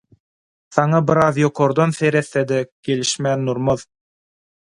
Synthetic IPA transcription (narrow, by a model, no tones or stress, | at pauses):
θɑɴɑbɪɾɑðjoqʰoɾd̪onθeɾeθːed̪ɛkʲelɪʃmænːuɾmɤð